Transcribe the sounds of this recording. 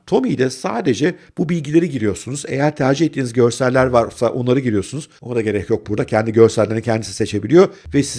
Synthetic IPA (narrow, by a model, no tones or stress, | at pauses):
t̪ʰo̞mijd̪ʲɛsaːd̪e̞d͡ʒɛb̥ubilʲɟilʲeɾiɟiɾijo̞ɾsunuze̞̰jæɾt̪ʰæɾd͡ʒihet̪ʰːiːnizɟø̞ɾsælʲːæɾvaɾsaʔo̞nˠaɾɯɟiɾijo̞ɾsunuzonad̪aɟe̞ɾɛcʰjo̞k̚buɾd̪acʰɛnd̪iɟø̞ɾsælʲːeɾincʰɛnd̪isi̥se̞t͡ʃʰe̞bilʲijo̞vɛsi